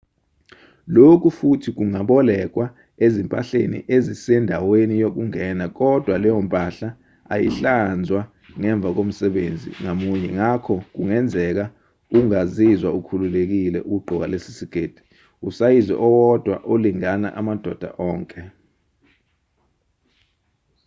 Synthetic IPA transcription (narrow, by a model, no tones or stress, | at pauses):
lok̬ʰʼufutʰik̬uŋaɓɔlɛk̬wa | ezimpʼa̰ɬḛnḭʔezisɛndʱawenijok̬uŋɛnak̬ɔd̥ʱwalɛjompʼaɬa | a̰jḭɬand͡zʱwa | ŋɛɱb̪vʱak̬om̩sɛɓḛnd͡zʱḭŋamuɲɛŋakʰɔk̬uŋɛnd͡zʱɛk̬a | uŋazizwaukʰululek̬ilɛ̰ʔuk̬uɡ͡ǃʱɔk̬alesi̥siɡ̥ʱeːd̥ʱi̥ | usajizɛ̰ʔɔwɔd̥ʱwa̰ʔoliŋana̰ʔamad̥ʱɔd̥ʱa̰ʔɔːŋkʼɛ